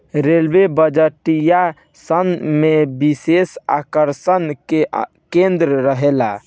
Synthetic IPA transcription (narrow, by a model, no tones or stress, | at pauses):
ɾelbebəd͡ʒəʈija | sənmebisesa̰kəɾsənke | kẽnd̪ɾəɾəɦela